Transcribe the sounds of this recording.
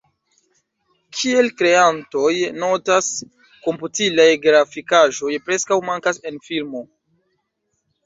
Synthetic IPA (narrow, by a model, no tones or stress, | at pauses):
kʰie̞lkɾe̞anto̞jno̞tas | ko̞mputilajɡɾafikaʒo̞jpɾe̞skawmaŋkase̞nfilmo̞